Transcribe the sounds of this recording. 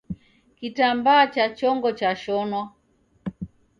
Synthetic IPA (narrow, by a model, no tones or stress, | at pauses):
kitambaːt͡ʃat͡ʃɔŋɡɔt͡ʃaʃɔnwa